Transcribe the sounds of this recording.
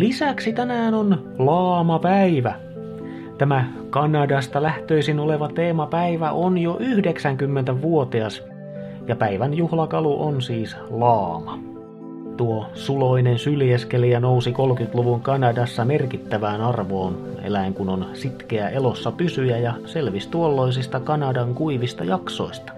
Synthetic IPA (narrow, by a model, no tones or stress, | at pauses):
lisæksit̪ænæːnon | lɑːmɑpæiʋæ | t̪æmæ | kɑnɑdɑst̪ɑlæht̪øisinoleʋɑt̪eːmɑpæiʋæʔonjoʔyhdeksæŋkymːent̪æʋuot̪iɑs | jɑpæiʋænjuhlɑkɑluʔonsiːs | lɑːmɑ | t̪uosuloinensylieskelijænousikolkyt̪luʋuŋkɑnɑdɑsːɑmerkit̪ːæʋæːnɑrʋoːn | ḛlæiŋkunonsit̪keæʔelosːɑpysyjæjɑselʋist̪uolːois̬ist̪ɑkɑnɑdɑŋkuiʋist̪ɑjɑksoist̪ɑ̥